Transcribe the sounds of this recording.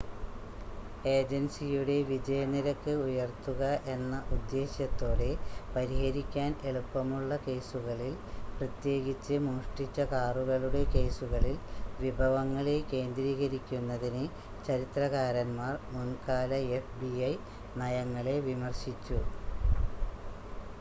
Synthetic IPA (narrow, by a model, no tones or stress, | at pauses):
e̞ːd͡ʑensijuɽe̞ʋid͡ʑɐjɐniɾɐkːɨujɐrt̪ːuɣɐʔe̞nːɐʔud̪ːe̞ːɕjɐt̪ːo̞ːɽe̞pɐɾihɐɾikʲːaːne̞ɭupːɐmuɭːɐke̞ːsuɣɐɭilprɐt̪je̞ːɡit͡ɕːɨmuːʂʈit͡ɕːɐkaːruɣɐɭuɽe̞ke̞ːsuɣɐɭilʋibʱɐʋɐŋːɐɭe̞ke̞ːnd̪ɾiːɣɐɾikʲːunːɐðinɨ | t͡ɕɐɾit̪rɐɣaːɾɐnmaːrmunkaːlɐefbiɐj | nɐjɐŋːɐɭe̞ʋimɐrɕit͡ɕːu